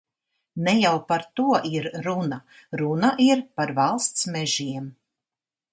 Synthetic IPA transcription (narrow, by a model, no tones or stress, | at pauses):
nɛjawpaɾt̪uɔʔiɾɾuna | ɾunaʔiɾpaɾvalˠst̪smɛʒiɛm